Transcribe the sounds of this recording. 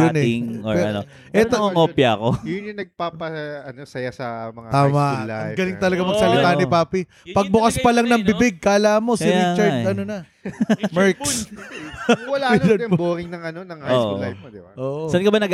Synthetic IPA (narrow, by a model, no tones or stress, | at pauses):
ʊnɛɪŋopɛɐ̰no | ʔɛt̪oŋɐŋʔoːpjɐɐko̞jʊnɐŋnɐɡ̚papɐɐnosɐjasɐmɐŋat̪aːmɐʔlaɐŋɡɐlɪŋt̪ɐlɐɡamɐɡsɐlɪk̪anɪpaːpi | pɐɡ̚bʊkɐspɐlɐŋnɐŋbɪbɪɡ̚kaːlaːmo̞sɪnit͡ʃɐɹɐnonɐ | mɛɹks | wɐlalɐboːɾɪŋnɐŋɐnonɐŋaoːʔolaj̚mod̪ɪbaʔoːʔsɐnkɐbanɐɡ